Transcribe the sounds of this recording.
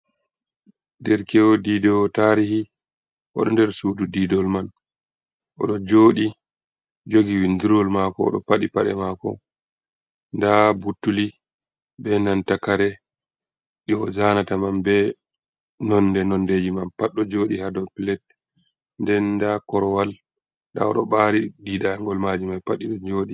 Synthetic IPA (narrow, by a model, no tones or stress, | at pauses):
ndɛɾkɛwɔdidɛwɔtaɾihi | ʔɔ̰ɗɔndɛɾsuːdudidɔlman | ʔɔ̰ɗɔd͡ʒoːɗi | d͡ʒoɡiwindiɾɔlmakɔɔ̰ɗɔ̰paɗipaɗɛ̰makɔ̰ | ndabutːuli | bɛnantakaɾɛ | ɗɔzanatamambɛ | nɔndɛnɔnded͡ʒimanpaɗːɔd͡ʒoːɗihadɔpilɛt̚ | ndɛndakɔɾɔwal | ɗa̰ɔɗɔɓaɾididaŋɡɔlmad͡ʒimajpaɗiɗɔd͡ʒoːɗi